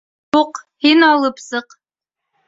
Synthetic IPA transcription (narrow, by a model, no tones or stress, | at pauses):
huqhinɑlˠɤpsɤq